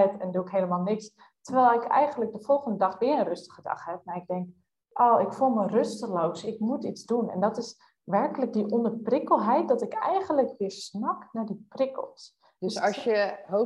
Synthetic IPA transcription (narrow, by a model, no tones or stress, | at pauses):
ɛtɛnduɪkɦejləmalˠnɪks | tərʋɛlˠɪkɛ̰jɣənlək̚dəfɔlˠχəndədɑxʋɪərənrøstə̥χədɑ̰χhɛp̚marɪɡ̚dɛŋk | ʔoːɪkfulˠmərøstəlowsɪkmutit͡sdunɛ̰ndɔtɪs | ʋɛrkələk̚diʔɔndərprɪkəl̩ˠɦɛjt̚d̥ɔtɪkɛjɣənləkʋɪːsnaknadiprɪkə̰lˠs | dssjəo